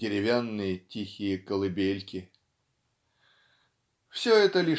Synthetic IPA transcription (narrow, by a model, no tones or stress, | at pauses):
ɪɾʲɪvʲanːɨjətʲixʲɪjəkəlˠɨbʲelʲkʲɪ | fsʲoɛt̪əlʲi